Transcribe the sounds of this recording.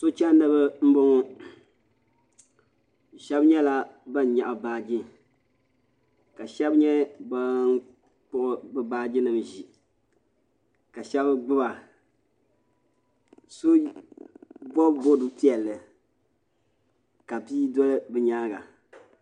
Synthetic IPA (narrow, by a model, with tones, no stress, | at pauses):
so˦t͡ʃɛ˦nɨ˦bɨ˦m̩˦bo˦ŋo˦˨ | ʃɛ˦bɲɛ˦la˦ba˦n˨ɲa̰˨ʔbaː˨d͡ʒɪ˦ | ka˨ʃɛ˦bɲɛ˦ba˦n˦ | pʊ˦ʔʊ˦bɨ˦baː˦d͡ʒɪ˦nɨ˨mʒi˨ | ka˨ʃɛ˦bɡ͡bɨ˦ba˨ | so˦ | bɔ˦bbo˦dʊ˨pi˦ɛ˨lːɨ˨ | ka˨piː˦dɔ˦lɨ˦bɨ˨ɲaː˦ɡa̰˨